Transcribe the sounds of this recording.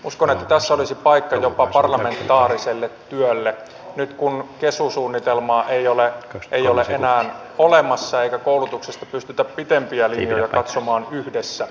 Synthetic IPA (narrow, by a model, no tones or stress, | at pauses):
uskonet̪ːæt̪æsːæolisipɑikːɑjopɑpɑrlɑment̪ːɑːɾiselːet̪ːyølːe | nyt̪kunkesusuːnːit̪elmɑːʔeioleʔeijoleʔʔenæːn | olemɑsːɑeikækoulut̪uksest̪ɑ̥pyst̪yt̪æppit̪empiælinjojɑkɑt̪somɑːnyhdesːæ